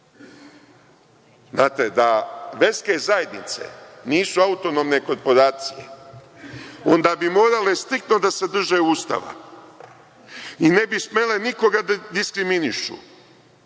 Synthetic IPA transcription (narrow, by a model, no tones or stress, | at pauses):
znaːt̪e̞d̪aʋe̞ske̞zaje̞d̪nḭt̪sḛniːsuaut̪o̞no̞mne̞ko̞ɾpo̞ɾaːt̪sijḛ | o̞nd̪aːbimo̞ːɾale̞st̪ɾik̚t̪no̞d̪ase̞d̪r̩ʒeuːst̪a̰ʋa̰ | ine̞bisme̞le̞niko̞ɡad̪ad̪iskɾiminiʃṵ